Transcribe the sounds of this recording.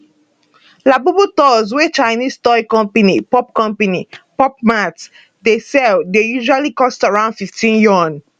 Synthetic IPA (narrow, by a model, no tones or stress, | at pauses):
labubutɔz̬wet͡ʃaɪnistɔikɔ̃mpanipɔp̚kɔ̃mpanipɔp̚mat | desɛldejuʒualikɔstaɹãʊ̃ndfiftʰĩnjɔ̃n